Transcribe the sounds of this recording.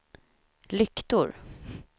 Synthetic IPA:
lʏkt̪ʊɾ

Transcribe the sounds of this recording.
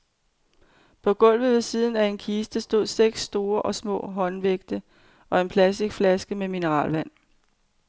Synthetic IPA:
pʰɒ̽ɡ̥ɔ̽l̰ʋð̩ˠʋe̝siːð̞ˠn̩æe̝nkʰiːsd̥əsd̥o̝ð̰ˠseɡ̥sːd̥o̝ːɐʔɒ̽smɔ̰̽ːɦɒ̽nʋeɡ̥̚d̥ə | ʔɒ̽e̝npʰlæsd̥iɡ̥flæsɡ̥əmeminəʁɑ̰̈ːlʋæn̰

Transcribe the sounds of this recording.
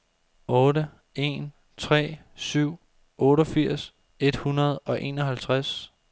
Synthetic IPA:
ɔ̽ːɾə | e̝̰n | t͡sʰʁɛ̰ː | syʊ̰ | ɔ̽ːɾɒfiɐ̰s | e̝d̥hunɐð̞̩ˠɒ̽ʔe̝̰ːnɒ̽ɦælt͡sʰʁas

